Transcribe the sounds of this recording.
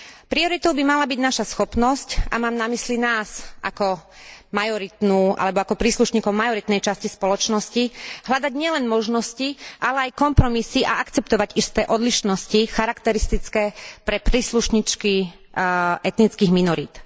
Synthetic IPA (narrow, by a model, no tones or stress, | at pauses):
pɾiɔɾit̪ɔʊbimalabiɟnaʃasxɔpnɔsca̰maːmnamislinaːzʔa̰kɔmajɔɾit̪nuːʔa̰lɛbɔakɔpɾiːsluʃɲiːkɔʊmajɔɾit̪nɛjt͡ʃascispɔlɔt͡ʃnɔsciɦlʎad̪aɟɲɪɛlɛnmɔʒnɔsciʔalɛajkɔmpɾɔmisiʔaakt͡sɛpt̪ɔʋaɟist̪ɛːʔɔd̪liʃnɔscixaɾakt̪ɛɾist̪it͡skɛːpɾɛpɾiːsluʃɲiːt͡ʃki | ɛt̪nit͡skiːɣminɔɾit̪